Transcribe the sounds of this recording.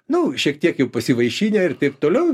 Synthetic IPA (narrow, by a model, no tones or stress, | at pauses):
nʊʃʲiɛkt̪ʲiɛkjɛʊpɐsʲɪʋɐɪʃʲiːnʲɛɪrt̪ɪpt̪oːlʲɛʊ